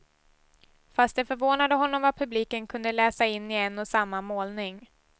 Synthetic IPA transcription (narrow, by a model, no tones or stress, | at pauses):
fast̪̚d̪ɛfœɾvoːnad̪əɦɔnːɔmvat̪̚pʰɵbliːkənkʰɵnd̪əlɛːsaɪnːɪɛnːɔsamːamoːlnɪŋ